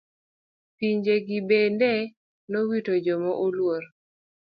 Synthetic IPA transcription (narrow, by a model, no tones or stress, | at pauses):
piɲd͡ʒeɡɪbendɛ | nowitod͡ʒɔmɔʔolwoɾ